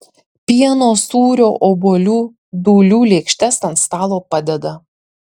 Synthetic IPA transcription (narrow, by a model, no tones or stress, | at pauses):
pʲiɛnoːsuːɾʲoːʔoːbolʲuː | d̪uːlʲuːlʲeːkʃʲt̪ʲɛsɐnt̪st̪ɑːlˠoːpɐd̪ʲɛd̪ɐ